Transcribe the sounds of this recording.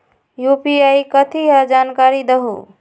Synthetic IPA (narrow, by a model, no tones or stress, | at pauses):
jupiajkət̪ʰiɦəd͡ʒankaɾid̪əɦṵ